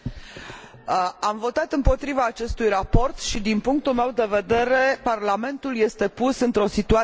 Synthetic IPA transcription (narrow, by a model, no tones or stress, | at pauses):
amvo̞t̪at̪ɨmpo̞t̪ɾivaːt͡ʃe̞st̪ujrapo̞rt̪ʃid̪inpuŋk̚t̪ulme̞wd̪e̞ve̞d̪e̞ɾe̞parlame̞nt̪ulje̞st̪e̞pusɨnt̪ɾo̞sit̪ua